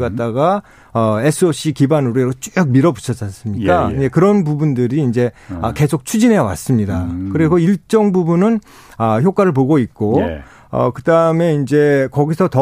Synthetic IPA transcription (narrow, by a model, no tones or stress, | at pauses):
ɡat̚t͈aɡa | ʌesʰɯoɕ͈ikibanuɾeɾot͡ɕ͈ook̚miɾʌbu̥t͡ɕʰʌd͡ʑas͈ɯmɲikk͈and͡ʑekɯɾʌnpubundɯɾiːnd͡ʑe̞ʌke̞sʰok̚t͡ɕʰud͡ʑine̞jʌwa̰s͈ɯmɲidakɯɾiɡoiɭt͡ɕ͈ʌŋbubunɯn | ʌçjok͈waɾɯɭpoɡoik̚k͈o | ʌ̰kɯdaɯme̞ind͡ʑe̞kʌɡisʰʌtʌ